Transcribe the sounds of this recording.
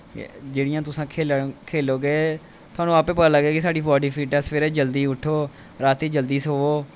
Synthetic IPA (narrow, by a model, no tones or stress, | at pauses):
d͡ʒeːɽɪjãːt̪ʊsãːkʰeːkʰeːloːɡeː | t̪ʰʊaːnũːaːpẽːpəd̪aːləɡeːkɪsaːɖiːbɔːɖiːpʰiːʈɛsfeːɾeːd͡ʒəld̪iːʊʈʰːoː | ɾaːt̪iːd͡ʒəld̪iːsoːoː